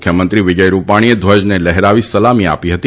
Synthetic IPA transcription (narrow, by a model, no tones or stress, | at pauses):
kʰjəmənt̪ɾiʋid͡ʒəjɾupaɽ̃ied̪ʱʋəd͡ʒnelɛɦɾaʋisəlamia̰piɦət̪i